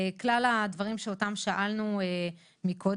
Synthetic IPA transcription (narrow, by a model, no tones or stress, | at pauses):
klalad̪vaʁimʃeotamʃaʔalnue | mikʰo̞